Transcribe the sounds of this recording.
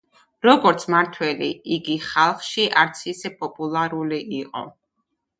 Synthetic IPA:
ɾɔɡɔɾt̪sʰmaɾt̪ʰwɛliiɡiχalˠχʃiʔaɾt̪sʰisɛpʼɔpʼulˠaɾuliʔiqʼɔ̰

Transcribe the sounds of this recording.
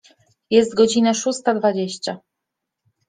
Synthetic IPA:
jɛst̪ɡɔd͡ʑinaʂust̪ad̪vad͡ʑeɕt͡ɕa

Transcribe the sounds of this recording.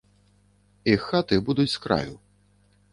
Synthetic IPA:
ixat̪ɨbud̪ut͡sʲskɾa̰jṵ

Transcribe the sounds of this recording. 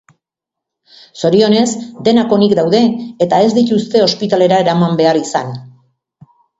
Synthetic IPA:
so̞ɾio̞ne̞zd̪e̞nako̞nikd̪awðe̞ːt̪ae̞zd̪it̪ust̪e̞o̞spit̪ale̞ɾae̞ɾamambe̞aɾisan

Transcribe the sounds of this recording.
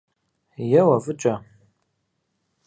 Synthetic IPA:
jɛwɐvɨt͡ʃʼɐ

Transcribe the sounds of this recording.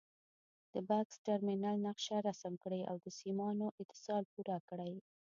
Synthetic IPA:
d̪̥əbaksʈaɾminalnaqʃaɾasmkɽaja̰wd̪əsimɑnoʔɪt̪ɪ̥sɑlpuɾakɽaj

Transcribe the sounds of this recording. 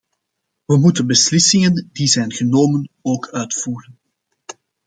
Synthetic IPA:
ʋəmutənbəslɪsɪŋəndizɛjnɣənoːmənoːkʰœɥtfuːrən

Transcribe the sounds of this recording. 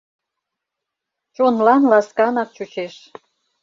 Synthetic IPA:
t͡ɕonlɑnlɑskɑnɑk̚t͡ɕut͡ɕeʃ

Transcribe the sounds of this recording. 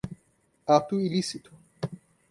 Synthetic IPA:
at̪uilisit̪u̥

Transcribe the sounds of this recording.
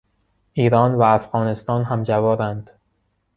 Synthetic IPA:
ʔiːɾɒːnvæːfɣɒːne̞st̪ɒːnɦæmd͡ʒævɒːɾænd̪̥

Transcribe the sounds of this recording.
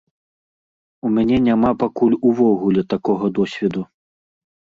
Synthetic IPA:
umʲanʲɛnʲamapakulʲuvɔɣulʲɛt̪akɔɣɐd̪ɔsʲvʲɛd̪u

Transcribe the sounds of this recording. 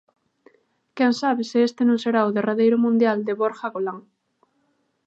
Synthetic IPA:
kɛŋsaβesiest̪enõŋseɾauðeraðejɾʊmũnd̪jald̪eβoɾxaɣolaŋ

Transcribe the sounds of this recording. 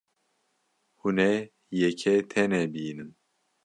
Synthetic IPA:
hunɛ | jɛkʰɛt̪ʰɛnɛbijnɨm

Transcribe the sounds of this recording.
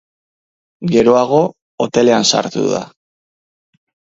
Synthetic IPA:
ɡe̞ɾo̞aɣ̞o̞ː | t̪e̞le̞ansa̰ɾt̪ṵða̰

